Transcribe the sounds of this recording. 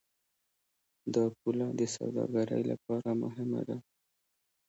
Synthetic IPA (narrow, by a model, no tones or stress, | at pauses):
d̪ɑp̚ulad̪əsa̰wd̪ɑɡaɾə̰jlapɑɾamʊɦɪma̰d̪a